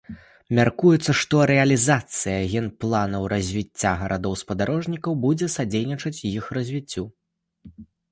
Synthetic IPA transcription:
mʲarkujɛt̪sːɐʂt̪ɔɾɛɐlʲizat̪sɨjɐɣʲɛnplˠanɐwɾɐzʲvʲit͡sʲːaɣɐɾʔad̪ɔwspɐd̪aɾɔʐnʲikɐwbud͡zʲɛsad͡zʲejnʲit͡ʂɐt͡sʲjixrɐzʲvʲit͡sʲːu

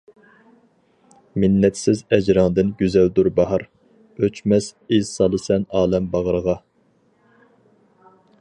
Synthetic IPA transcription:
mɪnːɛt̪sɪzɛd͡ʒɾɑŋd̪ɪnɡʲyzɛld̪uɾbɑɦɑɾ | øt͡ʃmɛsezsɑlˠɨsɛnɑːlɛmbɑʁəɾəʁɑ

